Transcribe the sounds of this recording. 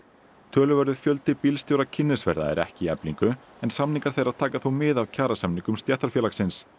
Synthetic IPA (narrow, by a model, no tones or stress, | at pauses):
t̪ʰœːlʏvɛɾðʏ̥fjœl̪t̪ɪpilst̪jowɾacʰɪnːɪsvɛ̰ɾða̰ɛ̰ɾɛ̰hcɪiɛpliŋkʏ | ɛnsamniŋkaɾ̥θejɾaðt̪ʰaːkaθuwmɪðawcʰaːɾasamniŋkʏmst̪jɛht̪aɾfjɛlaksɪns